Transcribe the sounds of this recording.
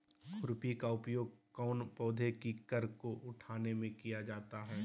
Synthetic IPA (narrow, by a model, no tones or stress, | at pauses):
kʰʊɾpikaʊpjoːɡ̚kɔːnpɔːd̪ʱekikəɾkoʔʊʈʰaːnemẽkijad͡ʒaːt̪aɦɛː